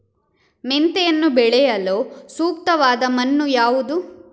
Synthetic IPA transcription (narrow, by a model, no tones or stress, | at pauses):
ment̪ejɐnːubɛɭɛjɐloːsuːkt̪ɐʋaːd̪ɐmɐnːujaːʋud̪u